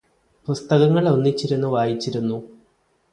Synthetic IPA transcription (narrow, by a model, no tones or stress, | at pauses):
pust̪ɐɣɐŋːɐɭo̞nːit͡ɕːiɾunːuʋaːjit͡ɕːiɾunːu